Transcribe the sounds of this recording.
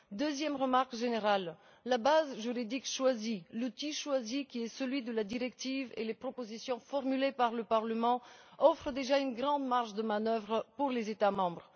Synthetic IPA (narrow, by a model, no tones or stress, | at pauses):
d̪øzjɛmʁəmaʁkʒeneʁalː | abazʒyʁid̪ikʃwazilut̪iʃwazikʲiɛsəlɥid̪əlad̪iʁɛkt̪ivḛlepχɔpozisjɔ̃fɔʁmylepaʁləpaʁləmɑ̃ɔfχəd̪eʒaynɡʁɑ̃d̪maʁʃd̪əmanœvʁpuʁlezet̪amɑ̃bʁə